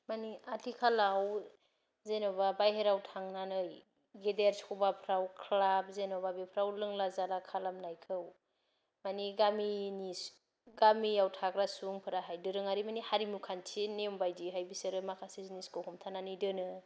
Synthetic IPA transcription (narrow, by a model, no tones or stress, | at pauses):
maniatʰikʰalaw | zenɔbabajɦeɾawtʰaŋnanɯj | ɡedeɾsʰkɔwbapʰɾawkʰlap̚zenɔbabipʰɾawlɯŋlazalakʰalamnajkʰɯw | maniɡaminis | ɡamiawtʰakɾasuŋpʰɯɾaɦajdɯɾɯŋaɾimanihaɾimukʰantʰinembajdiɦajbisɯɾɯmakʰasizniskɯwhɔmtʰananɯjdɯnɯ